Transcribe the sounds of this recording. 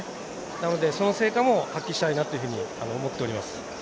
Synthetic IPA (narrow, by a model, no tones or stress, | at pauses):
nano̞d̪e̞so̞nose̞ːkamo̞hakʲːiɕi̥t̪ainat̪ːo̞jɯ̟ɸɯ̟ɲ̟ianoːmo̞t̪ːe̞o̞ɾʲimasɨ̥